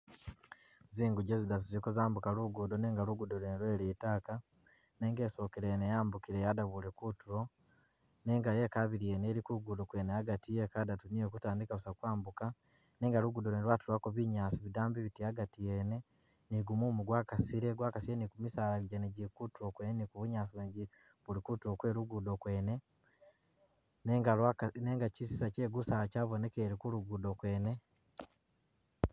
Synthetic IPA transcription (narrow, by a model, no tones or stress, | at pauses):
ziːŋɡuɟezidaz̬uzikozaːmbukaluɡudoneːŋɡaluɡudolenlweːɾiːtaːka | neːŋɡeso̞keɾenejaːmbukiɾejadaβule̞kutuɾo̞ | neːŋɡajekaβiɾieneɾikuɡudukweːneaɡatijekadatuniekutaːndikausakwaːmbuka | neːŋɡaluɡudoɾenɾwatuɾakoβiɲaːsiβidaːmbiβitiaɡatijene | niɡumumuɡwaːkasiɾeɡwaːkasiɾenikumisaːlaɟeneɟikutokweːnenikuβuɲaːsiβeːɲɟi | βulikutuokwe̞ːɾuɡudo̞kwe̞ːne̞ | neŋɡawaneːŋɡacisisaceːɡusaacaːβone̞keɾikuɾuɡudokwe̞ːne